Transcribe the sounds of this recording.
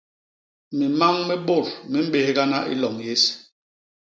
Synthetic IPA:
mi˨ma˦ŋmɛ˦ɓo˦˨ɾmi˦m̩˦ɓe˨hɡa˦na˦ʔḭ˦lɔ˨ŋje˦s

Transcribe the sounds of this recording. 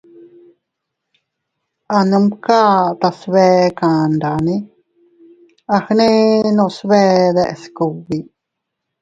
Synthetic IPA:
a˨nɨ̃˧mka˦t̪a˨sβeː˦˧kã˨nd̪a˨nĩ˦ | a˧hnĩ˦nõ˧sβeː˦˧d̪e˧ʔe˨sku˨wi˨

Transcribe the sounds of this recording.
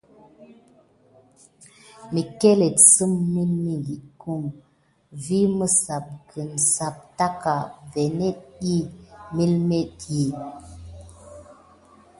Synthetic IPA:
mi˨ke˦le˨tsɨ˦mːi˦lmi˦li˨ku˦˨m | vi˦mə˦sa˨p̚kə˨n˨sa˨p̚ta˦ka˨vɛ˨ne˦t̚i˦mi˦lme˦tji˨

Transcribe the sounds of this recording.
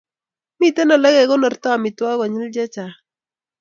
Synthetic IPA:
mi˦t̪ɛ˦nɔ˨la˦ɡɛ˨ɡɔ˦nɔ˨rt̪a˦˨mɪ˨twa˦ɡɔ˨ɲɪ˦ld͡ʒɛ˦t͡ʃa˨

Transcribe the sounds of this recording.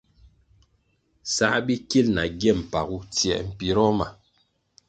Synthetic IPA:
sa˦bi˦ki˦lna˨ɡjɛ˦˨m̩˨pa˨ɣu˦tjɛ̰˨m̩˨pi˨ɾɔ˦ma˨

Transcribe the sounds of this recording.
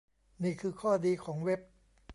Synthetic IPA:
niː˥˩kʰɯː˧kʰɔː˥˩diː˧kʰɔː˩˦ŋwe˦˥p̚

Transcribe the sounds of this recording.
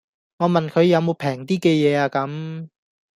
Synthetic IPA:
ŋɔː˨˧mɐ˨nkʰɵ˨˧ɥjɐ˨˧wmo˨˧wpʰɛː˨˩ŋt̪iː˥kɛː˧jɛː˨˧aː˧kɐ˨˥m

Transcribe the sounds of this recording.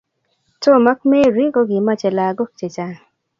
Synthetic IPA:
to˦˨ma˦k̚me˦ɾi˦ɡo˦ɡi˨ma˦t͡ʃe˨la˨ɡo˦k̚t͡ʃe˨t͡ʃa˦

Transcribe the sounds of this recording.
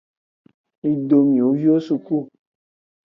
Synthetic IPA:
i˨do˨mĩ˨o˨˦vi˦o˦su˧ku˦˨

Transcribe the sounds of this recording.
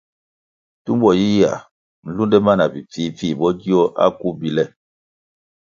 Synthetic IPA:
tu˦m˦bɔ˨ji˦a̰˨ | n̩˨lu˦ndɛ˦ma˦na˨pi˨p͡fiː˦fi˦˨bɔ˦d͡ʒi˦ɔ˦ʔa̰˦ku˦bi˨lɛ˦˨

